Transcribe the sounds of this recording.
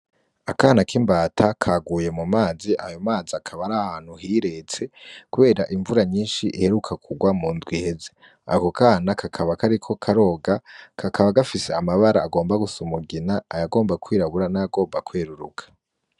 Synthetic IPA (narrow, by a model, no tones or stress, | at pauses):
akaːnakiːmbaːtʰakʰaɡuːje̞mumaːziʔajo̞maːziakʰaβaɾahaːn̥huɦiːɾe̞t͡se̞kuβe̞ːɾaʔiɱvuɾaɲiːnʃiʔihe̞ɾukʰakʰuɡwamuːndwihe̞ze̞ | a̰ko̞kaːnakʰakʰaβakaɾikʰo̞kʰaɾo̞ːɡakʰakʰaβaɡafise̞amaβaɾaːɡo̞ːmbaɡusumuɡinaːjaɡo̞ːmbakwiːɾaβuɾanajaɡo̞ːmbakweːɾuɾṵkḁ